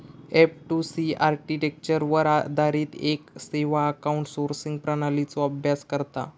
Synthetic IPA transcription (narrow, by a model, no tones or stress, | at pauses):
epʈusiaɾkiʈek̚t͡ɕəɾʋəɾad̪ʱaɾiːt̪ekseʋaəkauɳʈsoɾsiŋɡ̚pɾənalit͡sɔəbʱjaskəɾt̪a̰